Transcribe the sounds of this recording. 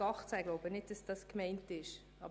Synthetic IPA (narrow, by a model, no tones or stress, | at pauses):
ɑχt͡saɡloʊbənɪtd̚d̥ɑsd̥ɑskmɛɪntɪʃ | ɑ̰b